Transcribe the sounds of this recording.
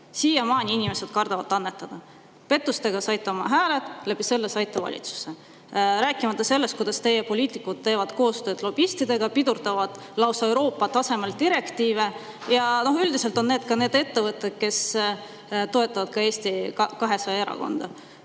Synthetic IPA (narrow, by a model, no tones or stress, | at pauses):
siːjɑmɑːnʲiinime̞se̞d̪̥kɑrd̪̥ɑvɑt̪ˑːɑnːe̞t̪ˑːɑd̪̥ɑ | pe̞t̪ːˑust̪e̞ɡ̥ɑsɑjt̪ːˑɑmɑɦæːlet̪ˑlæbise̞lːesɑjt̪ːˑɑvɑ̰lʲʔḭt̪su̥se̞ | ɾæːkːˑimɑt̪ˑːɑse̞lːe̞st̪̚kujd̥̪ɑst̪e̞jepo̞lʲiːt̪ikud̪̥̚t̪ːe̞ːvɑd̪̥ko̞ːst̪ø̞ːd̪lo̞bist̪id̪̥e̞ɡ̥ɑpid̪̥urt̪ɑvɑd̪̥ | lɑwsɑewɾo̞ːpːˑɑt̪ːɑsemeld̪̥iɾe̞kt̪iːve̞ | jɑno̞ɦyld̪ise̞lt̪ˑo̞nne̞ːd̪kɑne̞ːd̪e̞t̪ːe̞vɤt̪ːˑed̪̥̚ke̞s | t̪o̞e̞t̪ːˑɑvɑd̪̥kɑe̞ːsʲt̪ikɑɦe̞sɑjɑe̞ɾɑ̰ko̞̰nd̪̥ɑ